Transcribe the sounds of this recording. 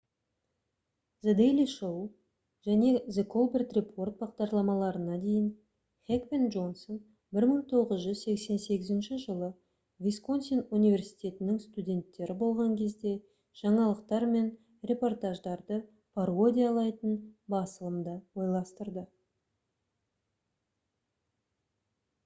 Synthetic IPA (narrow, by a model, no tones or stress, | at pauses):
zed̪ejlʲiʃow | ʒæne̞zekʰo̞lˠbert̪re̞pʰo̞rt̪̚bɑqd̪ɑɾlˠɑmɑlˠɑɾənɑd̪e̞jɪn | χʲekpenʒo̞nson | bɪɾməɴt̪ʰo̞ʁəzʒʏzse̞kse̞nse̞ɡʲɪzɪnʃɪʒəlˠə | vʲisko̞nsinunivʲe̞rsi̥jt̪ʲe̞t̪ɪnɪŋst̪ud̪ʲe̞nt̪ːe̞ɾʔɪbo̞lˠʁɑŋkʲʰe̞zd̪e̞ | ʒ̥ɑɴɑlˠəqt̪ɑɾme̞n | rʲe̞po̞rt̪ɑʒd̪ɑɾd̪ə | pʰaɾo̞d̪ʲijaɑlˠɑjt̪ənbɑsəlˠəmd̪əwo̞jlˠɑst̪əɾd̪ə